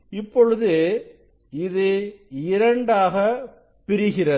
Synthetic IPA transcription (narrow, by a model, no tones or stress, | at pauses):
ɪpːɔɻɯðɯ | ɪðɯɪɾɐɳɖaːɣɐ | pːɪɾɪɣɪrɐ